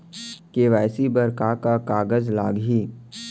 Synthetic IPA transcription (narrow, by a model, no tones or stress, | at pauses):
keʋɛːsibəɾkakakaːɡəzlaːɡɦiː